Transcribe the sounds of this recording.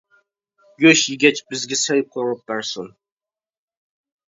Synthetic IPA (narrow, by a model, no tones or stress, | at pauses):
ɡʲøʃjiɡʲɛt͡ʃbɪzɡʲɛsɛjp̚qʰoŋɨp̚d̪ɑɾsun